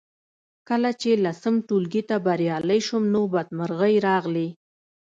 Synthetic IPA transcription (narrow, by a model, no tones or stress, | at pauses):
kəlat͡ʃelasəmʈulɡit̪abaɾjɑləjʃʊmnobad̪̚maɾɣəjɾɑɣli